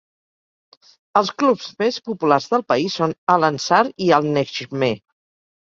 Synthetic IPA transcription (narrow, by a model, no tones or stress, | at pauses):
əlˠsklupzmespupularzðəlˠpəisonələnsaɾiəlˠnɛʃme